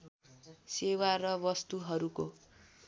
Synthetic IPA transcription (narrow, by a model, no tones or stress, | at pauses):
sewarʌβʌst̪uɦʌɾuko